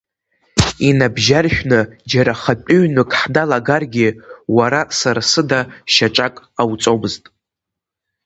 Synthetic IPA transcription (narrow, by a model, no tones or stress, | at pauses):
inabʒarʃᶣnɨd͡ʒaɾaχapʼyɥnɨkʼħdalaɡarɡʲiwaɾasaɾasɨdaʃaʈ͡ʂʼakʼawt͡sʼobɨztʼ